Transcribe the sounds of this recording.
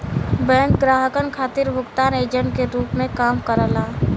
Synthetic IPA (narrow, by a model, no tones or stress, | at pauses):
bɛ̃ːŋk̪ɡɾaːɦəkənkʰaːt̪ɪɾbʱʊkt̪aːneːd͡ʒə̃ɳʈkeɾuːpmẽkaːmkəɾəlaː